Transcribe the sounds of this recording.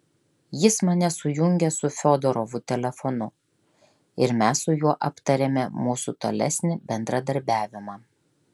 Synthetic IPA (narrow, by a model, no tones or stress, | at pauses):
jɪsmɐnʲɛsʊjʊŋʲɡʲɛsʊfʲoːd̪ɔɾɔʋʊt̪ʲɛlʲɛfɔnʊ | ɪɾmʲæsːʊjuɔʔɐpt̪ɐɾʲemʲɛmuːsut̪o̰lʲɛ̰sʲnʲɪbʲɛnd̪ɾɐd̪ɐɾʲbʲæːʋʲɪmɑː